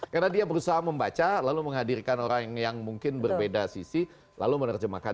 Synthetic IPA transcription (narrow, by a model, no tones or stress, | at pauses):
karnadiabəɾusaɦaməmbat͡ʃalaluməŋɦadirkanoɾaŋjaŋmuŋkɪnbərbedasisi | la̰lumənərd͡ʒəma̰ka